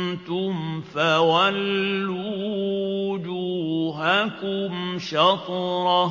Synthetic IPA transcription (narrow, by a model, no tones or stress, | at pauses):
nt̪ʊmfawalːu | d͡ʒuɦakʊmʃatɾa